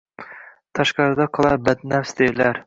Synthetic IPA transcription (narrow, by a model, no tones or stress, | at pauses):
t̪ʰɑʃqɑɾɨd̪ɑqʰɨlˠɑɾbæd̪næfsd̪elæɾ